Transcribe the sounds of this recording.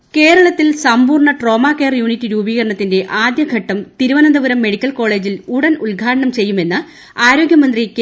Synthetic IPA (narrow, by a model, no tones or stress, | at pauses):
ke̞ːɾɐɭɐt̪ːilsɐmbuːrɳɐʈro̞ːmaːkeːrjuːnitːiɾuːbiːɣɐɾɐɳɐt̪ːinde̞ʔaːd̪jɐɡʱɐʈːɐmt̪iɾuʋɐnɐnd̪ɐʋɐɾɐmːe̞ɽikʲːɐlko̞ːɭe̞ːd͡ʑiluɽɐnulɡʱaːʈɐɳɐmt͡ɕe̞jːume̞nːɨ | aːɾo̞ːɡjɐmɐnd̪rik